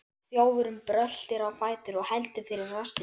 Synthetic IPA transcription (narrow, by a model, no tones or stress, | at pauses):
θjoːwvʏɾʏmpɾœl̥t̪ɪɾawfaːjt̪ʏɾɔɣhɛjlt̪ʏfɪɾɪɾːasɪ